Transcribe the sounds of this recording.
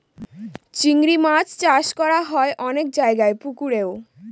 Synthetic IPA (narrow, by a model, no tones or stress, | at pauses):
t͡ɕiŋɡɾimat͡ɕt͡ɕaʃkɔɾaɦɔeʔɔnek̚d͡ʑaeɡaepukuɾeo